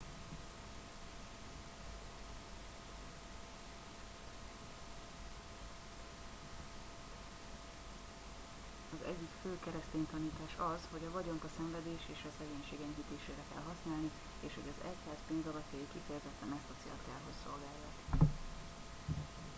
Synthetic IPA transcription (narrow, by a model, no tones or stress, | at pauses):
ɒzɛ̰ɟːikføːkɛɾɛst̪eːɲt̪ɒniːt̪aːʃɒzho̞ɟɒvɒɟo̞ŋkɒsɛɱvɛd̪eːʃeːʃɒsɛɡeːɲʃeːɡɛɲɦit̪eːʃeːɾɛkɛ̰lɦɒsnaːlni | eːʃho̞̰ɟɒzɛchaːzpeːnzɒvɒt̪jɒjikifɛjɛzɛt̪ːɛnɛst̪ɒt̪sḛːlk̪ɛ̰lɦo̞sso̞lɡaːlːɒ̰t̪